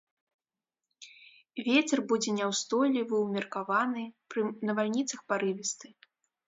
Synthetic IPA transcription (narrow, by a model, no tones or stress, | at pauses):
vʲet͡sʲɛrbud͡zʲɛnʲɛwst̪ɔjlʲivɨwmʲɛrkavanɨpɾɨnɐvalʲnʲit̪sɐxpaɾɨvʲist̪ɨ